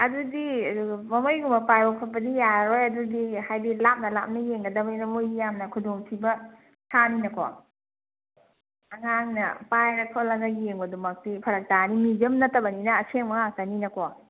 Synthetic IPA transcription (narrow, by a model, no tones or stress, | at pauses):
ɐdudimɐmojɡumɐpajbɐpʰɐpːɐdijaɾojɐdudihajdilap̚nɐlap̚nɐjeŋɡɐdɐmɐjnɐmojjamnɐkʰudoŋtʰibɐ | sʰaninɐkɔ̰ | ɐŋaŋnɐ̰pajɾɐkʰolɐŋɐɡieŋbɐdumɐk̚tipʰɐɾɐk̚tanimid͡ʒɐmnɐtɐbɐninɐːsʰeŋmɐŋaŋ̚taninɐkɔ